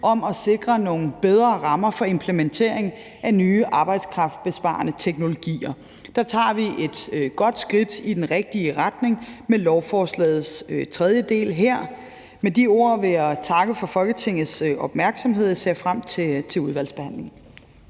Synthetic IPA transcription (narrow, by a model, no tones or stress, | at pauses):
ʔɒ̽mɒ̽se̝ɡ̥ʁɐno̝ːŋn̩b̥eð̞ˠʁɐːʁɑ̈mɐfɒ̽e̝mpʰlement͡sʰe̝̰ɐ̰eŋ | ʔænyːʔɑ̈ːb̥ɑ̈ɪd̥skʰʁɑ̈fd̥̚b̥e̝sb̥ɑ̰̈ːnət͡sʰeɡ̥no̝lo̝ɡ̥ḭːɐ | d̥ɑ̈t͡sʰɑ̰̈ːʋiʔe̝d̥ɡ̥ɒ̽d̥sɡ̥ʁid̥id̥enʁɛɡ̥̚d̥iəʁad̥ne̝ŋmelɒʊfɒːslɛ̰ːð̩ˠst͡sʰʁɛð̞ˠjəd̥e̝̰ːlɦeɐ̰ | med̥io̝ɐ̰ʋe̝jat͡sʰɑ̈ɡ̥əfɒ̽fɒ̽lɡ̥ət͡sʰe̝ŋ̰ð̩ˠsɒ̽b̥mæɐɡ̥sɒ̽mɦe̝ð̞̰ˠisḛɐfʁam̰t͡sʰet͡sʰe̝luð̞ˠʋæl̰sb̥e̝hæn̰le̝ŋ̩